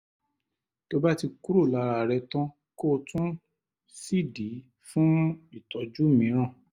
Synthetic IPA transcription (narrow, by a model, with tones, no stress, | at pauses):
to˧ba˦ti˧ku˦ɾo˦˨la˨˧ɾa˧˨ɾɛ˧tã˦ | ko˦˨tũ˦ | si˦˨di˨˦ | fũ˦i˦˨tɔ˨˦d͡ʒu˦mĩ˨˦ɾ̃ã˦˨